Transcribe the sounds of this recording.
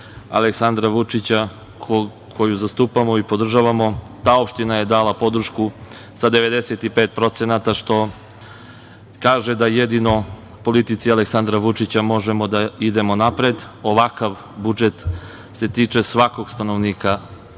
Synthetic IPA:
a̰leksand̪ɾaʋut͡ʂit͡ɕa | k | kʰo̞juzast̪uːpamo̞ipo̞d̪r̩ʒaʋamo̞ | t̪aːo̞pʃt̪inaje̞d̪aːlapo̞d̪ɾ̩ʃku | sad̪e̞ʋe̞d̪eset̪ipeːt̪̚pɾo̞t̪se̞nat̪aʃt̪o̞ | kaːʒed̪ajed̪ino̞ | po̞lit̪it̪sialeksand̪ɾaʋut͡ʂit͡ɕamo̞ʒemo̞d̪aid̪e̞mo̞napɾed̪ | o̞ʋakaʋ | bud͡ʒe̞t̪ | se̞t̪iːt͡ʃe̞sʋako̞ɡ̥st̪ano̞ʋniːka

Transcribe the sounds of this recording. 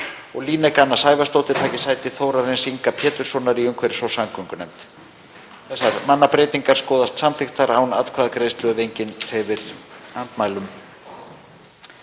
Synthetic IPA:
ɔɣliːnɛkanːasaːjvast̪owt̪ɪt̪ʰaːcɪ̥saːjt̪ɪθoːwɾaɾɪnsiŋkapʰɛːt̪ʏɾ̥sɔnːaɾiʏmkʰvɛɾɪ̥svɔwsamkʰʏŋkʏnɛ̰mt̪ | θɛsaɾmanːapɾeːjt̪iŋkaɾ̥skɔːðast̪samθɪxt̪aɾaːwna̰t̪kʰvaːðakɾejst̪lœɣvejɲcɪnɾ̥ɛvɪɾ̥ant̪maːjlʏm

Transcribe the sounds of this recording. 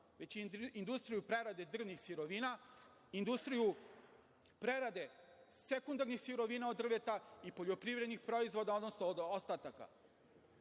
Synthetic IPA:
ʋet͡ɕind̪ust̪ɾijupɾeɾad̪e̞d̪r̩ʋnixsiɾoʋina | ind̪ust̪ɾiju | pɾeɾad̪e̞ | sekund̪aɾnixsiɾoʋiːnaod̪ːr̩ʋet̪aipo̞ʎopɾivɾed̪nixpɾo̞izʋo̞d̪ao̞d̪nosnod̪ost̪at̪aka̰

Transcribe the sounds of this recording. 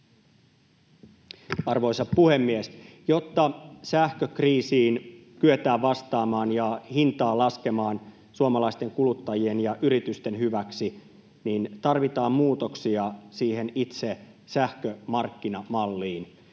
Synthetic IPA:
ɑrʋo̞jsɑppuhe̞mːiesjo̞t̪ːɑsæhkøkriːsiːnkyet̪æːʋʋɑst̪ɑːmɑːnjɑhint̪ɑːlɑske̞mɑːn | suomɑlɑist̪e̞ŋkulut̪ːɑjie̞njɑʔyɾit̪yst̪e̞nɦyʋæksi | nint̪ɑrʋit̪ɑːmmuːt̪o̞ksiɑsiːɦe̞nit̪se̞ | sæhkømɑrkːinɑmɑlːiːn

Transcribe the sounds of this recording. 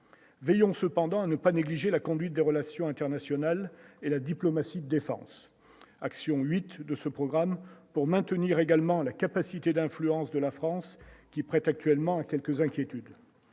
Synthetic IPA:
vɛjɔ̃səpɑ̃d̪ɑ̃anəpaneɡliʒelakɔ̃d̪ɥit̪̚d̪eʁəlasjɔ̃ɛ̃t̪ɛʁnasjɔnalelad̪iplɔmasid̪əd̪efɑ̰̃s | aksjɔ̃ɥit̪d̪əsəpχɔɡʁampuʁmɛ̃t̪əniʁeɡalmɑ̃lakapasit̪ed̪ɛ̃flyɑ̃sd̪əlafχɑ̃skʲipχɛt̪ak̚t̪ɥɛlmɑ̃akʲɛlkəzɛ̃kʲjet̪yd̪

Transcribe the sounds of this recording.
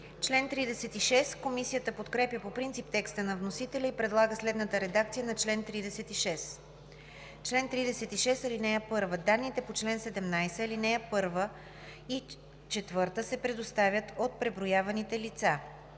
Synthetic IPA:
t͡ʃlɛnt̪ɾid̪ɛsɛt̪iʃɛskomisijət̪əpot̪kɾɛpjəpopɾint̪sip̚t̪ɛkst̪ənɐvnosit̪ɛlʲəipɾɛd̪lˠaɡəslɛd̪nət̪əɾɛd̪akt̪sijənɐt͡ʃlɛnt̪ɾid̪ɛsɛt̪iʃɛs | t͡ʃlɛnt̪ɾid̪ɛsɛt̪iʃɛsɐlinɛjəpɤɾvəd̪anːit̪ɛpot͡ʃlɛnsɛd̪ɛmnajsɛlinɛjəpɤɾvə | i | t͡ʃɛt̪vɤɾt̪əsɛpɾɛd̪ost̪avʲjət̪ot̪̚pɾɛbɾojavɐnit̪ɛlit̪sa

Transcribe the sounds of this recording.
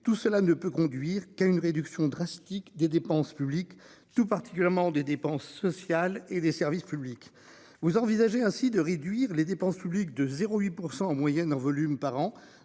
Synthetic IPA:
t̪usəlanəpøkɔ̃d̪ɥiʁkaynʁed̪yksjɔ̃d̪ʁast̪ikd̪ed̪epɑ̃spyblikt̪upaʁt̪i̥kʲyljɛʁmɑ̃d̪ed̪epɑ̃sːɔsjaled̪esɛʁvispyblik | vuzɑ̃vizaʒeɛ̃sid̪əʁed̪ɥiʁled̪epɑ̃spyblik̚d̪əzeʁoɥipuʁsɑ̃ːmwajɛnɑ̃vɔlympaʁɑ̃

